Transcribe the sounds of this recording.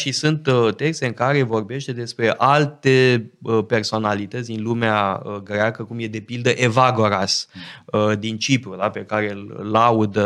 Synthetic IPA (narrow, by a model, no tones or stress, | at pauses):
ʃisunt̪t̪e̞kst̪e̞ɨŋkaɾe̞vo̞rbe̞ʃt̪e̞d̪e̞spɾe̞ʔalt̪e̞əpe̞rso̞nalit̪ət̪sd̪inlumeaəɡɾeakəkumje̞d̪e̞pild̪əʔe̞vaɡo̞ɾasəd̪int͡ʃipɾud̪ape̞kaɾe̞lːaud̪ə